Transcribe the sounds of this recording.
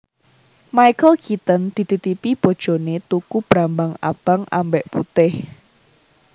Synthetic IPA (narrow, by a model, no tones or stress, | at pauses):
majkəlkit̪ənd̪̥i̤t̪it̪ipib̥o̤d̥ʒ̥o̤net̪ukub̥ɾambaŋa̰b̥aŋʔa̰mbɛʔput̪ɪh